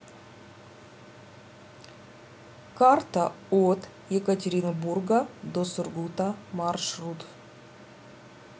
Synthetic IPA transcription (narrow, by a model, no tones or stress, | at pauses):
kart̪ə | ot̪ | jekətʲeɾʲɪnoburɡəd̪osʊrɡut̪ɐmarʃrut̪of